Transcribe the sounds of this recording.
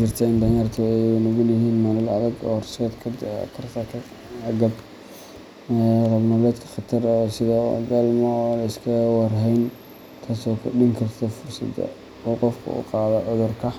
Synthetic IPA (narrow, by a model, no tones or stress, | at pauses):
d͡ʒɪrt̪ʰɛɪnd̪ɐjart̪ʰʊɛjʊnɔɣʊlɪɦiːnmalɐlɐðɐɡɔ̰rsɛd̪kʰɐkʰɐrt̪ʰɐt̪ʰː | ɡɐb | rɐβnɐlɛːd̪kʰɐ̥χɑt̪ʰɐrɔsɪðɐd̪ɐlmɔlɐɪskʰɐwɑrɦɛjn | t̪ʰaːsɔːkʰʊɗɪŋkʰɐrt̪ʰɐfʊrsɐ̰d̪ɐ̰ | wuːqɔfkʰʊ̰ʊ̰qɑːðɐʕʊðʊrkʰɐ